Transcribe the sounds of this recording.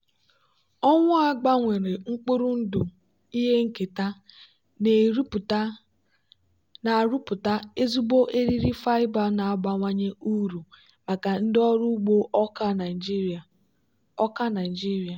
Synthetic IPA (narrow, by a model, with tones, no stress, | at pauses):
ɔ˦ŋʷʊ˦a˦ɡ͡ba˦ŋʷe˨ɾe˨ŋ͡m̩˦k͡pu˦ɾu˦n̩˦du˨ | i˦ɦe˦ŋ̩˨ke˨ta˦ | ne˨ɾu˦pta˦ | na˨ɾu˦pʊ˨ta˦e˦zu˦bo˦ʔe˦ɾi˦ɾi˦fa˦ɪ˦ba˦na˨a˦ɡ͡ba˨ŋʷa˦ɲe˦u˦ɾu˨ | ma˨ka˨n̩˦dɪ˦ɔ˦ɾu˦ɡ͡bo˦ʔɔ˦ka˦na˨ɪ˨d͡ʒi˦ɾa˨ | ɔ˦ka˦na˨d͡ʒi˦ɾi˨a˨